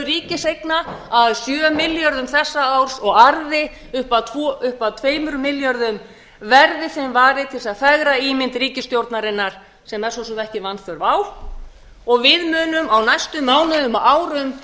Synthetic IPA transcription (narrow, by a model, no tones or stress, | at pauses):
ɾiːcɪsejknaaðsjœːmːɪljœɾðʏmθɛsːaawɾ̥sɔɣaɾðɪ | ʏhpat̪ʰvɔʔʏhpaðt̪ʰveːjmʏɾʏmɪljœɾðʏm | vɛɾðɪθemvaːɾɪt̪ʰɪlsaðfɛɣɾaiːmɪnt̪riːcɪst̪jowɾt̪naɾɪnːaɾ̥ | sɛmɛ̥sɔsɔmt̪ɛhcɪvanfœɾvaːw | ɔɣvɪðmʏːnʏmawnajst̪ʏmːaːwnʏðʏmaaːwɾʏm